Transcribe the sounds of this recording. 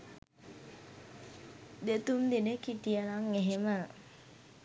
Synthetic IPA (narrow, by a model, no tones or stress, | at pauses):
d̪et̪umd̪inekit̪ijənaŋeɦemə